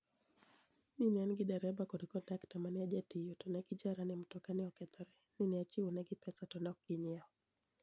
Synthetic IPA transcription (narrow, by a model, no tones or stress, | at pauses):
ninɛnɡɪdɛɾɛbakɔɾikɔdaktamaniad͡ʒatijotɔnɛɡɪd͡ʒaɾanɛm̩tɔkanɛɔkɛt̪ɔɾɛ | ninɛat͡ʃiunɛɡɪpɛsatɔnɔk̚ɡ̥ɪɲɛɔ